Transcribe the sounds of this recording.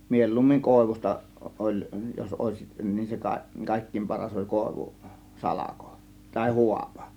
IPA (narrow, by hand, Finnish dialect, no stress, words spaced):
mielːuːmːiŋ koˑe̝ʋus̆tɑ ʔolʲ jos oˑe̝siʔ nin se kɑ kɑˑe̝kːiːm pɑrɑs olʲ koˑe̝ʋu sɑlɑko tɑˑe̝ huɑpɑ̥